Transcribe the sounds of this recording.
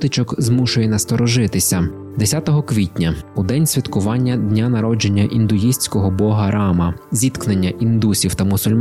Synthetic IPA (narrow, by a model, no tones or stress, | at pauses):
t̪ɪt͡ʃɔkzmuʃʊjɛnɐst̪ɔɾɔʒɪt̪ɪsʲɐ | d̪esʲat̪ɔɦɔkʋʲitʲnʲɐʊd̪ɛnʲsʲʋʲit̪kʊʋɑnʲːɐd̪ʲnʲanɐɾɔd͡ʒe̞nʲːɐʔind̪ʊjisʲt͡sʲkɔɦɔbɔɦɐɾɑmɐzʲit̪knenʲːɐʔind̪usʲiwt̪ɐmʊsʊlʲm